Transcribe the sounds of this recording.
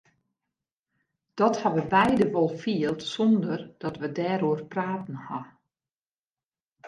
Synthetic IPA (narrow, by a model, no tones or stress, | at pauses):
d̥ɔthaʋəbɛjdəʋɔlˠfiəlˠtsɔndərd̥ɔtʋədɛːɾoərpraːtn̩ha